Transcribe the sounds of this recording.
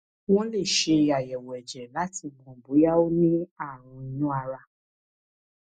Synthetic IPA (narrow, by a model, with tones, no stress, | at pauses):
w̃ɔ̃˦le˦˨ʃe˧a˨jɛ˨wɛ˨d͡ʒɛ˨la˨˦ti˧˨mɔ̃˨bu˨˦ja˦o˦nĩ˦a˦˨ɾ̃ũ˧i˧nũ˦a˧ɾa˧